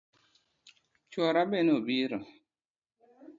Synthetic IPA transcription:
t͡ʃɔɾabɛnobiɾɔ

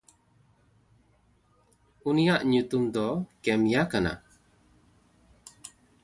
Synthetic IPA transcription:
unijaʔɲut̪umd̪ɔkɛmjakana̰

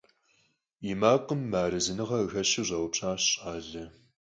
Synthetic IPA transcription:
imaːqʼəmːaːɾɨzɨnɨʁɐɣɐɕɪʑʷɐwʈ͡ʂʼaːɕɕʼaːɮɐ

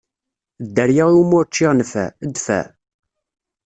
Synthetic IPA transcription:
d̪ːəɾjaʁiwmʊɾt͡ʃːɪʁnfæ̰əd̪fæ̰

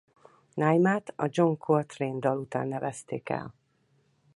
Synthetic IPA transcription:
najmaːt̪ɒd͡ʒo̞ŋkʰot̪reːnd̪ɒlut̪a̰ːnːɛvɛst̪ḛːkɛ̰l

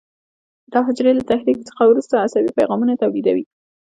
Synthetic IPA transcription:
d̪̥ɑɦʊd͡ʒɾelat̪ahɾik̚t͡sə̥xawɾust̪aːsawipajɣɑmunat̪awlid̪awi

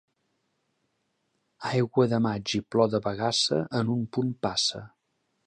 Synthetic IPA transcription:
ajɣwəðəmad͡ʒiplɔðəβəɣasə̰ʔənumpunpasə̰

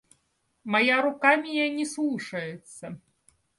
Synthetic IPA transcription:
majaɾukamʲijanʲɛslˠuʂɐjɛt̪sːɐ

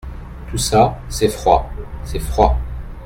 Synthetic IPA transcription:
t̪usasɛfχwasɛfχwa

